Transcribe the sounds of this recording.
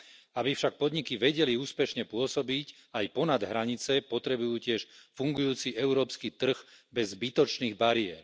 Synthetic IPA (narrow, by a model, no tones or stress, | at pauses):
abifʃak̚pɔd̪ɲikiʋɛɟɛliuːspɛʃɲɛpʊɔsɔbic | ajpɔnad̪ɦɾaɲit͡sɛpɔt̪ɾɛbujuːcɪɛʃfuŋɡujuːt͡siʔɛʊɾɔːpskit̪r̩ɣbɛzbit̪ɔt͡ʃniːɣbaɾiɛ̰ːɾ